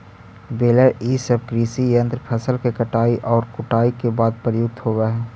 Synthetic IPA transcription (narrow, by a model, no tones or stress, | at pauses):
beːləɾiːsəb̚kɾiːsijə̃nt̪ɾpʰɛsəlkekəʈaːiʔɔːɾkʊʈaːikebaːd̪̚pəɾjʊk̚t̪ɦoːɡaɦɛː